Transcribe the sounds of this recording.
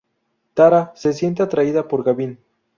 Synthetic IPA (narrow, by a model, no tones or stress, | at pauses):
t̪aɾase̞s̬je̞nt̪eat̪ɾaiðapoɾɣaβin